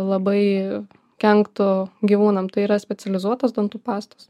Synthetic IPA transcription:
lˠɐbɐɪ | kʲɛŋkt̪ʊɡʲiːʋuːnɐmt̪ɐɪiːɾɐsʲpʲɛtt͡s̪ʲɛlʲɪzuɔt̪ɐsd̪ont̪upɑːst̪o̥s

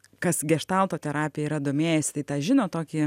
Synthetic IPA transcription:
kɐsɡʲɛʃt̪ɑlˠt̪oːt̪ʲɛɾɑːpʲɪjɛiɾɐd̪oːmʲeːjɛsʲɪ̥t̪ɐɪt̪ɑːʒʲɪnoːt̪oːkʲiː

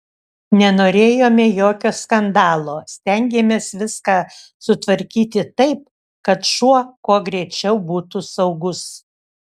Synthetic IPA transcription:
nʲɛnoːɾʲeːjoːmʲejoːkʲoːskɐnd̪ɑːlˠoːsʲt̪ʲɛŋʲɡʲeːmʲeːsʋʲɪskɑː | sʊt̪ʋɐɾʲkʲiːt̪ʲɪt̪ɐɪp̚ | kɐt̪ʃuɔkuɔɡɾʲɛt͡ʃʲɛʊbuːt̪usɐʊɡʊs

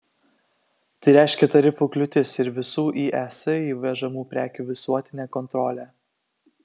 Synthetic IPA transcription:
t̪ɐɪɾʲæˑɪʃʲkʲɛt̪ɐɾʲɪfuːklʲʊt̪ʲɪsɪɾʋʲɪsuːʔiːʔæsɐiːʋʲɛʒɐmuːpʲɾʲæːkʲuːʋʲɪsuɔt̪ʲɪnʲeːkɔnt̪ɾɔːlʲæː

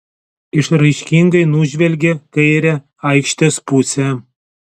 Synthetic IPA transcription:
ɪʃrɐjʃʲkʲiŋɡɐɪnuʒʲʋʲɛlʲɡʲekɐjɾʲɛ | ɐjkʃʲt̪ʲespusʲɛ

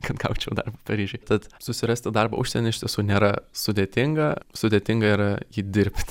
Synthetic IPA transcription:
kɐt̪ɡɐʊt͡ʃʲɛʊd̪ɐrbɐpɐɾʲiːʒʲʊɪt̪ɐt̪sʊsʲɪɾɐsʲt̪ʲɪd̪ɐrbɐ̰ʊʃʲsʲɛnʲɛɪʃʲt̪ʲiɛsuːnʲeːɾɐsʊd̪ʲeːt̪ʲɪŋɡɐsʊd̪ʲeːt̪ʲɪŋɡɐiːɾɐjiːd̪ʲɪɾʲpʲt̪ʲ

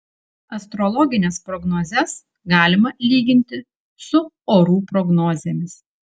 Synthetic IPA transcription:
ɐst̪ɾɔlˠɔɡʲɪnʲɛspɾɔɡnoːzʲɛs | ɡɑːlʲɪmɐlʲiːɡʲɪnʲt̪ʲɪ | sʊ | oːɾuːpɾɔɡnɔːzʲeːmʲɪs

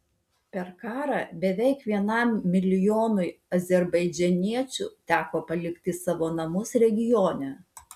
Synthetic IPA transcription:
pʲɛɾkɑːɾɑbʲɛʋʲɛɪkʋʲiɛnɑˑmːʲɪlʲɪjoːnʊɪɐzʲɛɾbɐɪd͡ʒʲɛnʲiɛt͡ʃʲʊ̰t̪ʲæːkoːpɐlʲɪkt̪ʲɪsɑːʋoːnɐmʊsɾʲɛɡʲɪjoːnʲɛ

